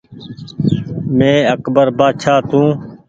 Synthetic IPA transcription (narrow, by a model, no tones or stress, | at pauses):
mẽːəkbəɾbaːʃʰaːt̪ũː